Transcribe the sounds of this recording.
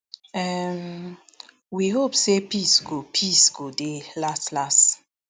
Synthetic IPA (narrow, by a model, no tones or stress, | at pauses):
ɛm | wiɦopsepisɡopʰisɡodelastlast